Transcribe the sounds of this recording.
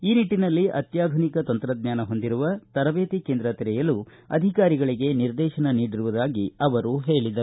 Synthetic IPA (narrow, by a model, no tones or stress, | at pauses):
iːniʈːinɐlːiʔɐ̰t̪jaːd̪ʱunikɐt̪ɐnt̪ɾɐd̪̚ɲaːnɐɦo̞nd̪iɾuʋɐt̪ɐɾɐʋeːt̪ikeːnd̪ɾɐt̪iɾɛjɐlu | ɐ̰d̪ʱikaːɾiɡɐɭiɡe̞niɾd̪ɛːʃɐnɐniːɽiɾuʋud̪aːɡiɐʋɐɾuɦe̞ːɭid̪ɐ